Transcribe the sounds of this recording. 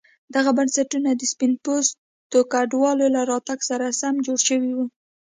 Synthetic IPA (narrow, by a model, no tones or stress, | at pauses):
d̪aɣabansaʈunad̪əspɪnpos | t̪okaɖwɑlolaɾɑt̪aɡsaɾasamd͡ʒoɽʃəwiwu